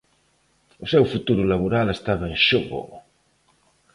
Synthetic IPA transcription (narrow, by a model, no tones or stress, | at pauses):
usɛwfut̪uɾulaβuɾalest̪avɐenʃoɣo̰